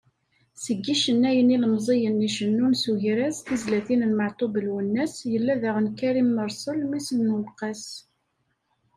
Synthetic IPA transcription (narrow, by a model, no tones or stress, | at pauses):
səɡːiʃənːæjəniləmzˤejənːiʃənːunsuʝɾæzθizlæθinəlmɑʕt̪ˤobəlwənːæsjəlːæðæʁənkæɾimːəɾˤsˤəlmisənːəlqɑs